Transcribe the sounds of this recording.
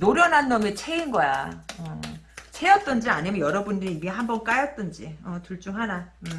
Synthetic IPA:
noɾjʌnanːʌmet͡ɕʰeinɡʌja̰ʌt͡ɕʰejʌt͈̚ʌnd͡ʑiaɲimjʌnjʌɾʌbundɯɾiimiɦambʌnk͈ajʌt̚t͈ʌnd͡ʑiʌtuɭt͡ɕ͈uŋɦana

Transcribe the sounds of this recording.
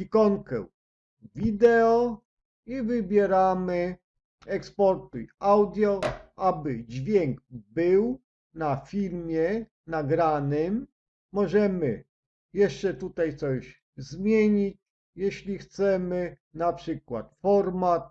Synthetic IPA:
ikɔŋkɛ̰w | vʲid̪ɛɔ | ivɘbʲjɛɾamɘ | ɛkspɔɾt̪uiawd̪ʲjɔabɘd͡ʑvʲjɛŋɡbɘw | nafʲiɾmʲjɛ | naɡɾanɪmː | ɔʐɛmɘ | jɛʂt͡ʂɛt̪ut̪ajt̪sɔʑ | zmʲjeɲit͡ɕ | jɛɕlʲixt̪sɛmɘ | napʂɘkwa̰t̪fɔɾmat̪̚

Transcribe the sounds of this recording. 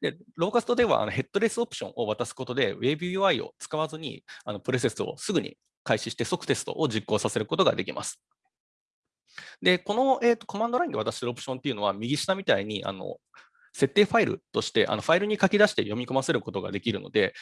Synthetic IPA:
d̪̥e̞ɾoːkasɨ̥t̪o̞d̪e̞βa̰ʔa̰no̞ɦe̞t̪ːo̞ɾe̞sɨopɯ̥ɕõ̞ʔo̞β̞at̪asɨ̥ko̞t̪o̞d̪e̞βe̞bɯjɯaio̞̰t͡sɨ̥kaβazɨɲ̟ḭano̞pɯ̟ɾe̞s̬e̞sɨo̞̰sɨɡɯ̟ɲ̟ḭ | kaiɕiɕi̥t̪e̞sokːɯ̥t̪e̞sɨ̥t̪o̞̰ʔoʑikːo̞ːsase̞ɾɯ̟ko̞t̪o̞ɡa̰d̪e̞kʲimʔa̰sɨ̥ | d̪e̞ko̞no̞e̞ːt̪ːoko̞mãnd̪oɾaĩnd̪o̞at̪aɕit̪oɾopɯ̟ɕõ̞nt̪eiɯ̟no̞βamʲiɡʲiɕi̥namʲit̪aiɲ̟iʔa̰no̞̰ | se̞t̪ːe̞ːɸaiɾɯ̟̰t̪o̞ɕi̥t̪e̞ʔa̰no̞ɸaiɾɯ̟ɲ̟ikakʲid̪aɕi̥t̪e̞jo̞mʲiko̞mase̞ɾɯ̟ko̞t̪o̞ɡa̰d̪e̞kʲiɾɯ̟̰no̞̰d̪e̞

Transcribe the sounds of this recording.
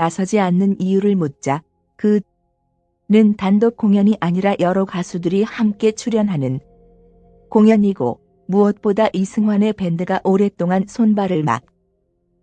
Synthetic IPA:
nasʰʌd͡ʑianːɯnijuɾɯɭmot̚t͡ɕ͈a | kɯ | nɯntandop̚k͈oŋjʌɲiʔaɲiɾajʔʌɾʌkasʰudɯɾihamk͈e̞t͡ɕʰuɾjʌnɦanɯn | koŋjʌɲiɡo̰ | muʌt̚p͈odaʔisʰɯŋɦwanepe̞ndɯɡaʔoɾe̞t͈oŋansʰonbaɾɯɭma̰t̚

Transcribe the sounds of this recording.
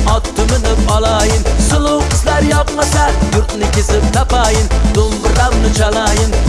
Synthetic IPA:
ɑt̪ʰːʊmɪnɪpɑlˠɑjɨnsɨlˠʊqɨslæɾjɑqmɑsɑɾjʊɾt̪nɨkʲʰɪzɪp̚t̪ʰɑpɑjɨnd̪̥ʊlˠmɨɾɑmnɨt͡ʃɑlˠɑjɨn

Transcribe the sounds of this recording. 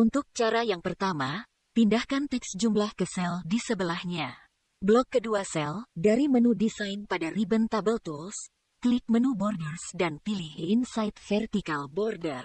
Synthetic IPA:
unt̪ʊk̚t͡ʃaɾajaŋpərt̪ama | pindahkant̪ɛksd͡ʒumblahkəsɛldisəbəlahɲa | blɔkːəduasɛldaɾimənudisajnpadaribənt̪abəlt̪uls | klik̚mənubɔrdərsdanpilɪhinsajt̪̚fɛrt̪ikalbɔrdər

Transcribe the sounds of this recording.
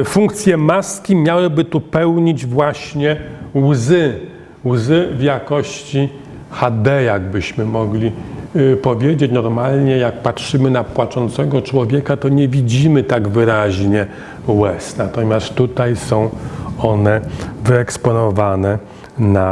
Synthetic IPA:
fuŋk̚t̪sʲjɛmaskʲimʲjawɘbɘt̪upɛwɲid͡ʑvwaɕɲɛwzɘ | wzɘvjakɔɕt͡ɕi | xad̪ɛjaɡ̚bɘɕmɘmɔɡlʲipɔvʲjed͡ʑet͡ɕnɔɾmalɲɛjak̚patʂɘmɘnapwat͡ʂɔnt̪sɛɡɔt͡ʂwɔvʲjɛkat̪ɔɲɛvʲid͡ʑimɘt̪aɡvɘɾaʑɲɛ | wɛsnat̪ɔmʲjast̪t̪ːut̪ajsɔ̃w̃ɔnɛvɘɛkspɔnɔvanɛ | na

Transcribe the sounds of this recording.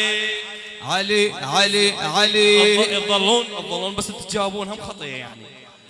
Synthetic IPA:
ʕaleʕaleʕaleðˤːɑlːuːnɨðˤːɑlːuːnbasːɪt̪ːɪd͡ʒaːhbuːnhamxɑt̪ˤɑjja̰ʕni

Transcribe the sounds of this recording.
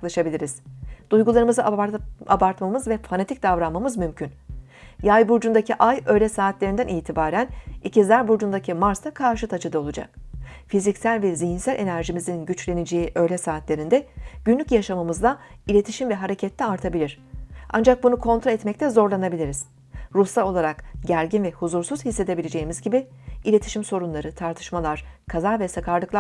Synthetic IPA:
klˠaʃabilʲiɾiz̥d̪̥ujɡulˠaɾɯmɯzaa̰baɾt̪mamɯzvɛfanat̪ic̚d̪avɾanmːamɯzmymcʰyn | jajbuɾd͡ʒund̪acʰiʔajø̞jlʲɛsaːt̪lʲeɾind̪ænʔiːt̪ʰibaːɾænicʰizlʲæɾbuɾd͡ʒund̪acʰimaɾsakʰaɾʃɯt̪ʰat͡ʃɯd̪ao̞lˠud͡ʒa̰k̚fizicsælʲvɛziɦinsælʲʔe̞næɾʒimizinɟyt͡ʃlʲe̞nid͡ʒe̞jiʔø̞jlʲɛsaːt̪lʲe̞ɾind̪ɛɟ̥ynlʲycjaʃamɯmɯzd̪ˠailʲe̞t̪ʰiʃimvɛɦaɾe̞cʰɛt̪lʲɛaɾt̪ʰabilʲiɾ̥a̰nd͡ʒak̚bunukʰo̞nt̪ɾaɛt̪mɛc̚t̪ʰɛzo̞ɾlˠanabilʲiɾiz̥ | ɾusao̞lˠaɾakɟæɾɟinvɛhuzuɾsuz̥hisːe̞d̪e̞bilʲed͡ʒe̞jimizɟibiilʲe̞t̪ʰi̥ʃimso̞ɾunlˠaɾɯt̪ʰaɾt̪ʰɯ̥ʃmalˠaɾ̥kʰazavɛsakʰaɾlˠɯklˠa

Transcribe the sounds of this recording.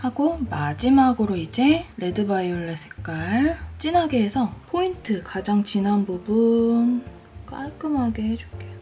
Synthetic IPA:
haɡomad͡ʑimaɡɯɾoid͡ʑe̞ɾe̞dɯbaioɭːesʰɯ̥k͈aɭt͡ɕ͈inɦaɡeːsʰʌpʰointʰɯkad͡ʑaŋt͡ɕinɦanbubun | kaɭk͈ɯmɦaɡe̞ɦed͡ʑok͈ʰejo

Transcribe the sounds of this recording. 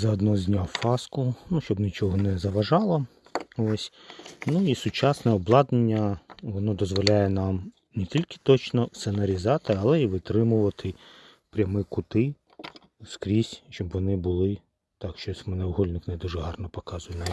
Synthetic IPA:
zɐɔd̪nɔzʲnʲafɑskʊnuʃt͡ʃɔbnʲit͡ʃɔɦɔnɛzɐʋɐʒɑlˠɔ | ɔsʲnuisʊt͡ʃɑsnɛɔblˠɑd̪nenʲːɐʋɔnɔd̪ɔzʋɔlʲajɛnɑm | netʲilʲkɪ̥t̪ɔt͡ʃnɔsenɐɾʲizɑt̪ɪɐlˠɛiʋɪt̪ɾɪmʊʋɐt̪ʰɪ | pɾʲɐmɪkʊt̪ɪ | skɾʲisʲʃt͡ʃɔbʋɔnɪbʊlˠɪ | t̪ɑkʃt͡ʃɔmɛnɛwɦɔlʲnɪknɛd̪uʒɛɦɑrnɔpɔkɑzʊjɛnɛ

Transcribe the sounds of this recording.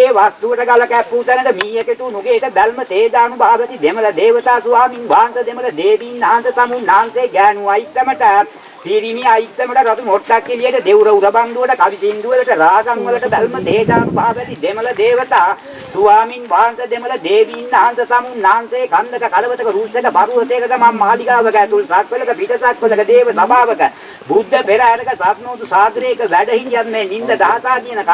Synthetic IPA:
eːʋast̪uʋəʈəɡalɐkæpːuːt̪anɐd̪əmiːjəkeʈunuɡeːʈəbælmət̪eːd͡ʒaːnubʱaːbɛsid̪emələd̪eːʋət̪aːsuʋaːminʋaːnsɐd̪emələd̪eːʋiːnːaːnsət̪amunːaːnseːɡæːnuajit̪ːəməʈə | piɾimiajit̪ːəməʈəɾat̪umoʈ̪ːakːilijəʈəd̪ewɾəwɾɐband̪uʋəʈəkaʋit̪ind̪uʋələʈəɾaːsammɐlɐʈəbælmət̪eːd͡ʒaːnubʱaːbɛsid̪emɐlɐd̪eːʋət̪aː | suʋaːminʋaːnsɐd̪emələd̪eːʋiːnːaːnsɐsamunːaːnseːkand̪əkəkalɐʋət̪əkəɾusəkəpaɾuːɦɐt̪ekək̪əmamːaːliɡaːʋəkæːt̪ulsakʋələkəpiʈɐsakʋələkəd̪eːʋəsabaːʋəkə | bud̪ʱːəpeɾaɦæɾɐkəsat̪noːt̪usaːɡ̪ɾeːkəʋæɖəɦinjanmeːnind̪əd̪aɦasaːd̪ijənɐka

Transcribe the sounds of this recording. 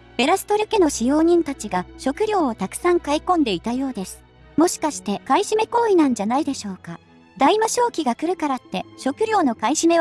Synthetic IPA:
b̥e̞ɾasɨ̥t̪o̞ɾʲɯ̟ke̞no̞ɕijo̞ːɲ̟ĩnt̪at͡ɕiɡaɕo̞kɯ̟ɾʲjo̞ːot̪akɯ̟̥sãŋkaikõ̞nd̪e̞it̪ajo̞ːd̪e̞sɨ̥ | mo̞ɕi̥kaɕi̥t̪e̞kaiɕime̞ko̞ːinãɲ̟d͡ʑanaid̪e̞ɕo̞ːka | d̪aimaɕo̞ːkʲiɡakɯ̟ɾɯ̟kaɾat̪ːe̞ɕo̞kɯ̟ɾʲo̞ːno̞kaiɕime̞

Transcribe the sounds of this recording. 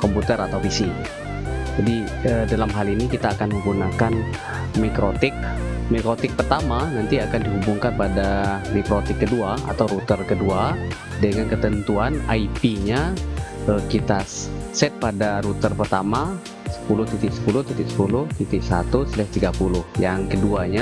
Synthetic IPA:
kɔmput̪ərat̪awfisi | d͡ʒadi | ədalamɦalinikit̪aːkanməŋɡunakan | mikɾot̪ɪkmikɾot̪ɪk̚pərt̪amanant̪iakandiɦubuŋkanpadamikɾot̪ɪkːəduaa̰t̪awɾut̪ərkədua | dəŋankət̪ənt̪uana̰ipiɲa | əkit̪asɛt̪̚padaɾut̪ərpərt̪ama | sə̥pulʊht̪ut̪ɪksə̥pulʊht̪ut̪ɪksə̥pulʊht̪ut̪ɪʔsat̪usəlɛht̪iɡapulʊhjaŋkəduaɲa

